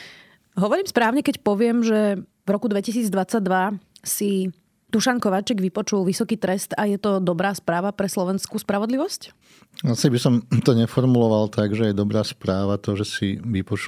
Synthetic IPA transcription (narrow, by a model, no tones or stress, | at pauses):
ɦɔʋɔɾiːmspɾaːʊɲɛkɛcpɔʋɪɛmʒɛ | vɾɔkud̪ʋɛcisiːd͡zd̪ʋat͡saɟd̪ʋasi | d̪̥uʃaŋkɔʋaːt͡ʃɛɡʋipɔt͡ʃulʋisɔkiːt̪ɾɛst̪ajɛt̪ɔd̪ɔbɾaːspɾaːʋapɾɛslɔʋɛnskuːspɾaʋɔd̪liʋɔsc | asɛbisɔmt̪ɔɲɛfɔɾmulɔʋalt̪aɡʒɛjɛd̪ɔbɾaːspɾaːʋat̪ɔʒɛsiʋipɔt͡ʃ